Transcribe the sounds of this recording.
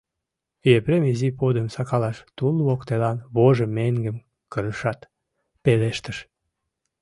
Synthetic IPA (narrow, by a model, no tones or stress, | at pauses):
jepɾemizipod̪əmsɑkɑlɑʃt̪ulβokt̪elɑnβoʒemeŋɡəm | kəɾəʃɑt̪ | peleʃt̪əʃ